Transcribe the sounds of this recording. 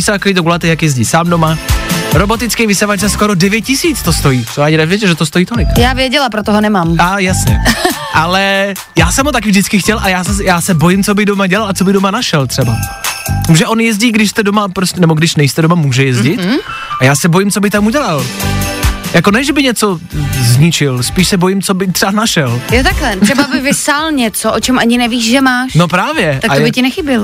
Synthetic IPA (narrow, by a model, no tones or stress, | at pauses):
ɪsaakoiːt̪̬oɡulat̪ɛjakjɛzɟiːsaːmdo̞maɾo̞bo̞t̪ɪt͡skɛjvɪsavat͡ʃɛskoɾodɛvjɛt̪̚cɪsiːt͡st̪ost̪ojiːt͡sojaːɟɪnɛvjɛd͡ʒɛʒɛt̪ost̪ojiːt̪olɪkjaːvjɛɟɛlapɾot̪oɦonɛmaːmajasɲɛ̰ | ʔalɛ | jaːsɛmɦot̪akɪvʒdɪt͡skɪxcɛlʔajaːsɛjaːsɛbo̞jɪmt͡so̞bɪɣdomaɟɛlalat͡so̞bɪɣdomanaʃɛlt̪r̥ɛba̰muːʒɛʔo̞njɛzɟiːɡdɪʃst̪ɛdomapɾoscɛnɛboɡdɪʃnɛjst̪ɛdomamuːʒɛjɛzɟɪt̪̩ː | ʔajaːsɛbojɪmt͡sobɪxt̪amuɟɛlal | jakonɛʒɛbɪɲɛt͡so̞zɲɪt͡ʃɪlspiːʃsɛbo̞jɪmt͡so̞bɪt̪r̥ɛanaʃɛljot̪aklɛt̪ɾɛbabɪvɪsalɲɛt͡soʔot͡ʃɛmʔaɲɪnɛviːʃʒɛmaːʃno̞pɾaːvjɛʔ̪akajbɪcɪnɛxɪbɪl